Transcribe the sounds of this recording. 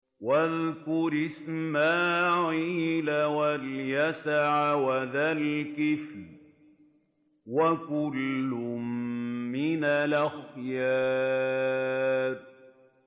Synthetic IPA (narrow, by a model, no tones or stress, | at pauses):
waðkʊɾɪsmaːʕiːlawaljasaʕawaðalkɪf | wakʊlːʊmː | ɪnalʔaxjaː | ɾ